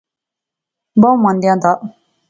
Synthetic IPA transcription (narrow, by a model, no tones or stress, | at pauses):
bɔmãnd̪jãnd̪a